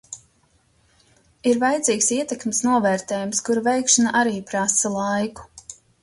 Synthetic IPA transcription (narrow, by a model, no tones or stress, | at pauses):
iɾvajd̪ziːksiɛt̪ekmɪsnuɔvɛːɾt̪ɛːjumskuɾvɛjkʃanaʔaɾiːpɾasɐlˠajku̥